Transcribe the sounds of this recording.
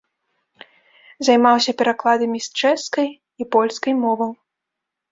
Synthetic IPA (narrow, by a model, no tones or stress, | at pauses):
zɐjmawsʲɐpʲɛɾaklˠad̪ɐmʲist͡ʂɛskɐj | ipɔlʲskɐjmɔvɐw